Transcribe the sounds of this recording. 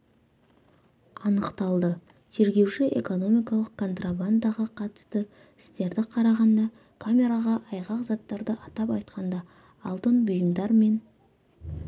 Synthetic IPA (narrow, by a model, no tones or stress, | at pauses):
ɑnəqt̪ɑlˠd̪ə | t̪ʰe̞ɾɡʲe̞wʃɪʔe̞̰ko̞no̞mʲijkɑlˠəq̚kʰːo̞nt̪raband̪ɑʁɑqʰɑt̪ə̥st̪ə | ɪst̪e̞ɾd̪ɪqʰɑɾɑʁɑnd̪ɑ | kʰamʲe̞ɾaʁɑʔɑjʁɑqzɑt̪ːɑɾd̪əʔɑt̪ɑpɑjt̪̚qɑnd̪ɑː | lˠt̪ənbʊjəmd̪ɑɾme̞n